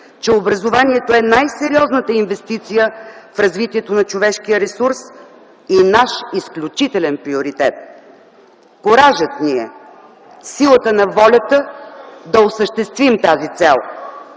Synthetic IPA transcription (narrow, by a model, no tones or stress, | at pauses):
t͡ʃɛobɾɐzovaniɛt̪oɛnajsɛɾiɔznət̪əinvɛst̪it̪sijəfɾɐzvit̪iɛt̪onɐt͡ʃovɛʃkijəɾɛsuɾs | inaʃisklʲut͡ʃit̪ɛlɛnpɾioɾit̪ɛt̪̚ | koɾaʒət̪niɛ̰ | silˠət̪ənɐvɔlʲət̪əd̪ɐosəʃt̪ɛst̪vimt̪azit̪sɛlˠ